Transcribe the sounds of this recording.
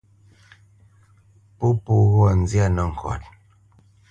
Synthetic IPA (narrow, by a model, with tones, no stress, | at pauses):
po˦pu˦ɣɔ˦˨n̩˨d͡zja˦˨nə˨ŋ̩˨kʰɔ̰˨t̚